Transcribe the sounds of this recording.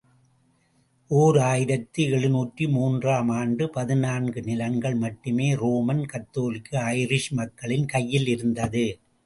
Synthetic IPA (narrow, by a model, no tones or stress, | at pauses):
ʔoːɾɯaːjɪɾɐt̪ːɯɛɭɯnuːʈrimuːndraːmaːnɖɯpɐðɪnaːnɡɯnɪlɐŋɡɐɭmɐʈːɯmeːɾoːmɐnkɐt̪ːoːlɪkːɯɐɪɾɪʂmɐkːɐɭɪnkɐjːɪlɪɾɯnd̪ɐðɯ